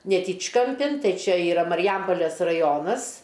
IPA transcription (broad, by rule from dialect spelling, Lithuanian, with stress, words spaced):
nʲɛˈtʲiːt͡ʃkɐmʲˌpʲɪn ˈtɐɪ ˈt͡ʃʲɛ iːˈrɐ mɐrʲɪˈjɛmpoːlʲeːs rɐˈjoːnɐs